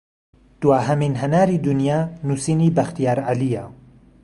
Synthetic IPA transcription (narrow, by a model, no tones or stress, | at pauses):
d̪̥waːɦɐminɦɐnaːɾiːd̪unijaːnusiːniːbɐxt̪ijaːɾʕalija